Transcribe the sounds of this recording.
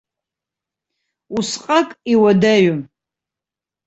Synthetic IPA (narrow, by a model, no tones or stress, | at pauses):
usqʼakʼiwadaɥʊm